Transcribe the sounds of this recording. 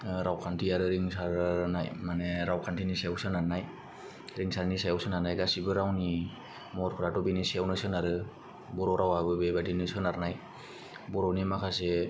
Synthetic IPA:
ɾawkʰantʰiaɾɯɾiŋsaɾnajmaneɾawkʰantʰiniseawsɯnaɾnaj | ɾiŋsaɾnisajawsɯnanajɡasibɯɾawni | mɔɾkʰɯɾatɔbiniseawnɯsɯnaɾɯ | bɔɾɔwɾawabɯbebadinɯsɯnaɾnaj | bɔɾɔwnimakʰase

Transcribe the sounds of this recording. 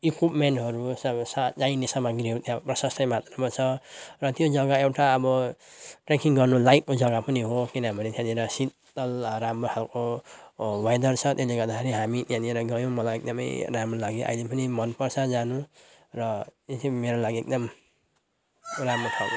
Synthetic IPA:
ikipmeɳʈɦʌɾusʌsad͡zajnesʌmaɡiɾiut̪jãprʌsʌsʈʌjmat̪rʌmat͡sʰʌrʌt̪jod͡zʌɡaewʈaʌbʌʈrekiŋɡʌrnolajkkːod͡zʌɡapʌniɦokinʌmʌnet̪ʰjãd̪ieɾʌsi | t̪ʌlɾamrohalko | wajd̪ʌrt͡sʰʌt̪eleɡʌɾd̪akʰeɾiɦamit̪jãd̪ieɾʌɡʌjõmʌlajek̚d̪ʌmʌ̰jɾamrolaɡiʔa̰jlepʌnimʌnpʌrsʰad͡zanu | rʌetmeɾolaɡiek̚d̪ʌm | ramroʈʰalo

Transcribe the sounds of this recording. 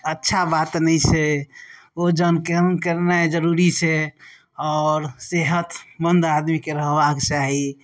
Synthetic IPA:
ətːʃʰabat̪nɛɪt͡ʃʰɛ | od͡ʒənkənkəɾnaed͡ʒəɾuɾit͡ʃʰɛ | ɔːɾseɦət̪bənd̪ad̪mikeɾəɦbaket͡ʃaɦi

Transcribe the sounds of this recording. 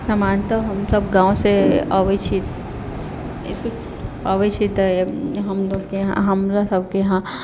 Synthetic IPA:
sɐmaːnt̪aɦɐmsɐbɡãːõseaʋɪʃʰit̪ | ɪ̰skʊ | aʋɪʃʰit̪əeɦɐmloːɡkeɦã̰ɦɐmlasɐb̚keɦã

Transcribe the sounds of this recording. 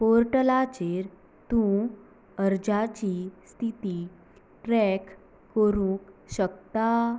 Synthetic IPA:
poɾʈəlat͡ɕeɾ | t̪ũ | əɾd͡ʑat͡ɕist̪ʰit̪i | ʈɾɛkː | əɾũːkɕəkt̪a

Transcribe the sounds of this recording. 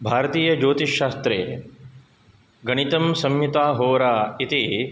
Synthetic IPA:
bʱaːɾɐt̪iːjɐd͡ʒoːt̪iʃːaːst̪ɾḛː | ɡɐɳ̃it̪ɐmsɐmjut̪aːɦoːɐɾaːit̪i

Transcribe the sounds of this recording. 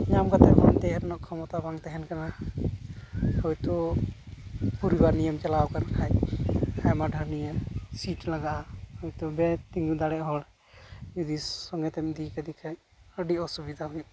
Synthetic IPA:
ɲamkat̪ɛmɔnt̪ɛɾnɔʔkʰɔmɔt̪abaŋt̪ɛɦɛnkana | hujt̪ɔ | puɾibaɾnijəmt͡ʃalawkanakʰajajmaɖʱəɾnijəsiʈlaɡaʔahɔjt̪ɔbɛt̪iŋɡud̪aɽɛʔɦɔɽ | jud̪isɔŋɡɛt̪ɛmd̪ikad̪ikʰaɲ | əɖiɔsubid̪ʱaɦuju

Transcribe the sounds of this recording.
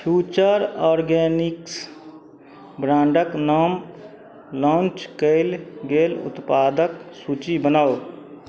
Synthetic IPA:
pʰjuːt͡ʃəɾɔːɾɡɛːnɪks | bɾãːɳɖəknɔːm | lɔ̃ːnt͡ʃkəɪlɡeːlʊ̰t̪paːd̪əksuːt͡ʃibənao

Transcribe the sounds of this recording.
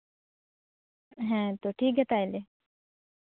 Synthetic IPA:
ɦɛ̃t̪oːʈʰiːkɦɛt̪aele

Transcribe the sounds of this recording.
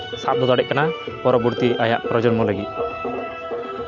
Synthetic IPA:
sap̚d̪ɔt̪ɔɽɛʔ̚kana | pɔɾɔbuɾt̪iʔaja̰ʔpɾɔd͡ʒɔɾmɔlaɡit̪̚

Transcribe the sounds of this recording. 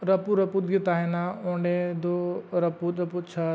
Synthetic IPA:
ɾɐpuɾɐput̪̚ɡit̪aːɦenaõːɳɖed̪oɾɐput̪ɾɐput͡ʃʰa

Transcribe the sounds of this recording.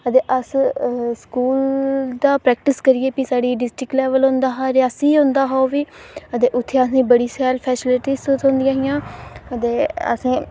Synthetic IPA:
ət̪eːʔəsskuːld̪aːpɾɛːk̚ʈɪskəɾieːpisaːɽiːɖɪsʈɾɪklɛːʋəlɦõnd̪aːɦaːɾɪaːsiːɦʊ̃nd̪aːɦaoːʋiːət̪eːʔʊt̪ʰːeːəsĩːbəɽiːsɛːlpʰɛːsɪlɪʈiːzt̪osʰõnd̪ijãːɦɪjãːət̪eːə̰sĩː

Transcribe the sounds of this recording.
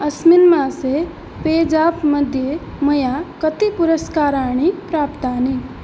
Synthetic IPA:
ɐsminmãse | peːd͡ʒaːpməd̪ʱje | mɐjakət̪ipʊɾəskaːɾaːɳ̃ipɾaːpt̪aːni

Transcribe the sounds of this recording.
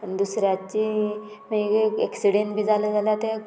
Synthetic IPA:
d̪usɾjat͡ɕi | meɡkeksiɽeɳʈbʱiːd͡zaləd͡zaljat̪e

